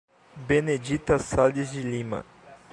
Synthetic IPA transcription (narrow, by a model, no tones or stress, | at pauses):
bened͡ʒit̪ɐsalizd͡ʒɪlĩmɐ̰